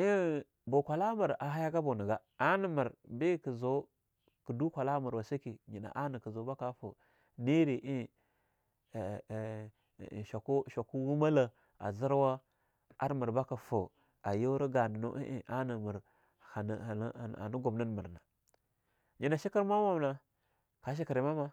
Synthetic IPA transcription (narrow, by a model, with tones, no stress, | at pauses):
i˦ | bo˨kʷa˨la˦mu˨ɾa˨ɦa˦ja˦ɡa˦bo˨nə˨ɡa˦ | a˦nə˨mə˨ɾbi˦kə˨zo˨˦ | kə˨du˦kʷa˨la˦mu˨ɾwa˨si˦ki˨ɲi˨na̰˨ʔa˦ni˨kə˨zo˨˦ba˦ka˦fo̰˨ | ni˦ɾi˨ʔi˦˨ | ʃa˨kʃa˨ku˦wu˦ma˦la˨ | a̰˨zi˦ɾwa˦ | a˦ɾmə˨ɾba˦ka˨fo˨ | a˨jo˦ɾi˦ɡa˨ni˨no̰˦ʔḭ˦ʔi˦ʔa˦nə˨mu˨ɾ | ha˨n˨˦˨a̰˨ni˦ɡu˨bnə˦nmə˨ɾna˨ | ɲi˨na˨ʃi˦ki˦ɾma˦wa˦mna˨ | ka˨ʃ̬i˦ki˨ɾi˨ma˦ma˦